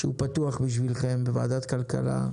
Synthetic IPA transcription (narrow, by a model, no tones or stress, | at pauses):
ʃeupat̪uaχbiʃ̬vilχe̞mbeva̰ːd̪at̪kalka̰la̰